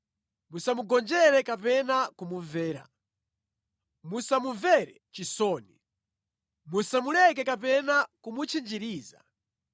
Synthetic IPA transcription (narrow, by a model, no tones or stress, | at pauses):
musamuɡɔnd͡ʒɛɾɛkapɛnakumuvɛːɾa̰ | musamuvɛɾɛt͡ʃisɔːni | musamulɛk̬ɛkapɛnakumut͡ʃʰind͡ʒiɾiːza̰